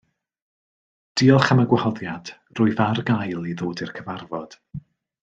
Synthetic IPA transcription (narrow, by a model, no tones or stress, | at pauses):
d̥iːɔlˠχaməɡwahɔðjad̥ | rʊːjvarɡajlˠiðoːdɪrkʰəvarvɔd̥